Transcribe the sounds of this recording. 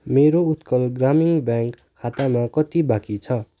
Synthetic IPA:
meɾout̪kʌlɡramiŋbjaŋkʰːat̪amakʌt̪ibakit͡sʰʌ

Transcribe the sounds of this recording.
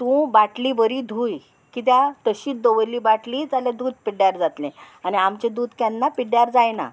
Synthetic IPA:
t̪ũbaʈliːbəɾiːd̪ʱuːj | kit̪̬jat̪əɕiːd̪oʋəliːbaʈliːd͡zaljad̪uːd̪̚piɽjaɾd͡zat̪lẽ | añiamt͡ɕed̪uːd̪kjanːapiɽjaɾd͡zajna̰

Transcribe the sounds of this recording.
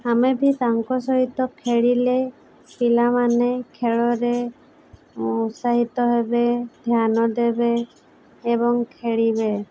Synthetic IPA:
amebʱit̪aŋkɔsɔɦit̪ɔkʰeɭile | pilamanekʰeɭɔɾe | usaɦit̪ɔɦebed̪ʱjanɔd̪ebeː | bɔŋkʰeɭibe

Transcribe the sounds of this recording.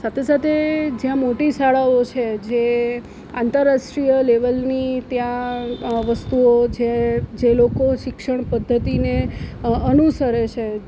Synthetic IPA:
sat̪ʰesat̪ʰed͡ʒjãmoʈisaɭaot͡ʃʰed͡ʒe | ant̪əɾːaʃʈɾijəleʋəlnit̪jãʋəst̪uod͡ʒed͡ʒelokoʃɪkʂəɳpəd̪ʱːət̪ineənusəɾet͡ʃʰe

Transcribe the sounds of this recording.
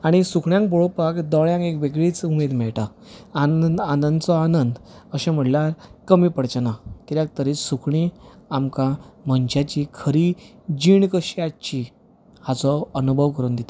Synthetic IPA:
aɽ̃isukʰɳjãŋk̚bɔɭopakd̪ɔɭjãŋkekʋeɡɭit͡sumed̪mɛɭʈa | aanənd̪t͡sɔanənd̪əɕɛ̃m̤əɽljaɾkəmiːpəɽt͡ɕənat̪iɾjak̚t̪əɾiːsukʰɳiamkam̤əɲt͡ɕat͡ɕikʰəɾiː | d͡ʑiɳkəɕiat͡ɕi | hat͡sɔənubʱəʋkəɾuːnd̪it̪ḁ

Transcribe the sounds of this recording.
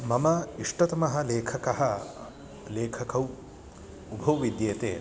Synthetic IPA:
mɐmɐiʂʈɐt̪ɐmɐɦɐ̆leːkʰɐkɐɦɐ | leːkʰɐkɐw | ubʱɐwʋid̪jeːt̪eː

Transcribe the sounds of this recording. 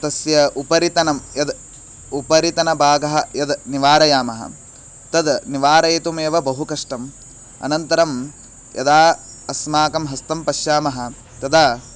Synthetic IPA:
t̪ɐsjɐupɐɾit̪ɐnɐmjɐd̪ | upɐɾit̪ɐnɐbʱaːɡɐɦɐjɐd̪niʋaːɾɐjaːmɐɦɐ̰ | t̪ɐd̪niʋaːɾɐjɐt̪umeʋɐbɐɦukɐʂʈɐm | ɐ̰nɐnt̪ɐɾɐm | jɐ̰d̪aː | ɐsmaːkɐmɦɐst̪ɐmpɐʃjaːmɐɦɐ̆ | t̪ɐd̪aː

